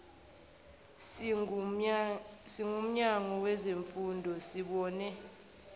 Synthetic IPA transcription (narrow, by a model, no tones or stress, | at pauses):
siŋum̩ɲaŋɔwɛzeɱfundʱɔsiɓɔːnɛ